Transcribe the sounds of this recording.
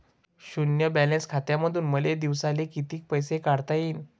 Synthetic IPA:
ɕunjəbælenskʰat̪jaməd̪ʱuːnməled̪iʋsalekit̪iːk̚pəjsekaɽt̪ajiːn

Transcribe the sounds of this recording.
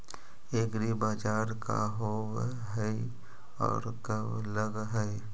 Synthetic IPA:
eːɡɾibaːd͡ʒaːɾka̰ɦoːw | ɦɛ | ɔ̰ːɾkəb | ləɡɦɛɪ

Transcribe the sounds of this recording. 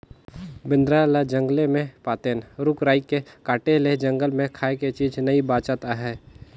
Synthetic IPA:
bɪ̃nd̪ɾalad͡ʒə̃ŋɡlemẽpaːt̪eːnɾʊkɾaːikːekaːʈeled͡ʒə̃ŋɡəlmẽkʰaːeket͡ʃiːd͡ʒnəibaːt͡ʃat̪aɦɛː

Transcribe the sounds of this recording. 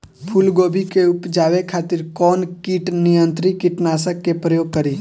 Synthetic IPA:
pʰʊlɡoːbʱikeʊpd͡ʒaːʋekʰaːt̪ɪɾkɔːnkiʈnijə̃nt̪ɾikɪʈnaːsəkːepɾəjoːɡ̚kəɾiː

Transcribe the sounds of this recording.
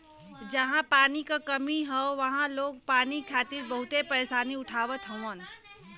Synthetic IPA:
d͡ʒɐɦãpaːnikakɐmiɦɛoʋɐɦãloːɡ̚paːnikʰaːt̪ɪɾbɐɦʊt̪epəeːsaːniʊʈʰaːʋət̪ʰɦə̃ʋə̃n

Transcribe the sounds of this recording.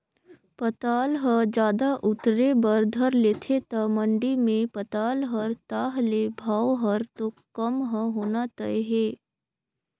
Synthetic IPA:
pət̪aːlɦəd͡ʒjaːd̪aʔʊt̪ɾebəɾd̪ʱəɾleːt̪ʰet̪ɐmə̃ɳɖimẽpət̪aːlɦəɾt̪aːɦlebʱaːwɦəɾt̪okəmɦə̃ɦoːnat̪əeɦeː

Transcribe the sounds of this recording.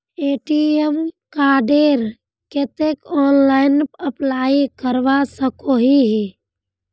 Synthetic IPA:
eːʈiemkaːɖeːɾ | ket̪ekɔːnlaːɪnpəplaːikəɾʋasəkoɦiɦi

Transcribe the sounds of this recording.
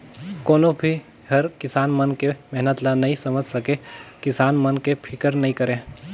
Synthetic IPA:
koːnobʱi | hɐɾkɪsaːnmənkemɛɦnət̪lanɐɦĩsɐməd͡ʒʱsɐkẽkɪsaːnmənkepʰɪkəɾnɐɦĩkəɾẽ

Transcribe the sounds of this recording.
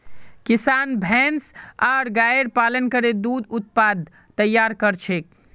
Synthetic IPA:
kisanbʱɛnsaɾɡaəɾpalənkəɾed̪ud̪ut̪̚pad̪ | t̪əjːaɾkəɾt͡ʃʰek̚

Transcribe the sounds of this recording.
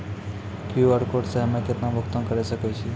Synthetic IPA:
kjuəɾkoɖseɦəmẽkɪt̪nãbʱʊkt̪ə̃nkəɾesəkɛt͡ʃʰi

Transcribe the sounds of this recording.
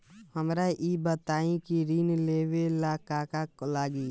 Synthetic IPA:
həmɾaʔibət̪aːĩkiɾiːnleːwelaːkaːkaklaːɡiː

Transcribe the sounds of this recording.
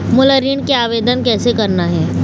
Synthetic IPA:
mʊləɾiːɳkeaːʋeːd̪ənkɛːsekɐɾnaɦɛː

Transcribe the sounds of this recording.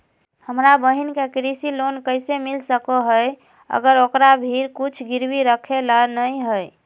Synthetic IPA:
həmɾabəɦinkekɾisilonkəjsemilsəkoɦəj | ə̰ɡəɾokɾabʱiɾkut͡ʃʰɡiɾbiɾəkʰeləɾnəjɦəj

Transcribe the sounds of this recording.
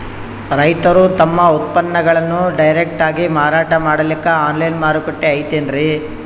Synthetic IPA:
ɾɐjt̪ɐɾut̪ɐmːɐut̪̚pɐnːɐɡɐɭɐnːuɖɐjɾek̚ʈaːɡimaːɾaːʈɐmaːɽɐlikːɐaːnlɐjnmaːɾukoʈːeɐjt̪endɾi

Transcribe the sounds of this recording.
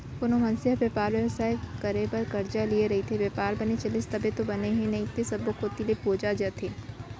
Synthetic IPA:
pʊnomɐnsɪəbepaːɾʋeʋəsaːekɐɾebɐɾkɐɾd͡ʒalieɾɐɦit̪ʰeʋjeːpaːɾbɐnet͡ʃɐlɪst̪ɐbet̪obɐneɦɛ̃nɐɦĩt̪esɐbokoːt̪ilepoːd͡ʒad͡ʒat̪ʰeː

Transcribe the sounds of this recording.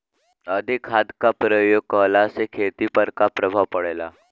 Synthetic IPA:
əd̪ʱikɦad̪kapɾəjoɡ̚kəlasekʰet̪ipəɾkapɾəbʱapəɽela̰

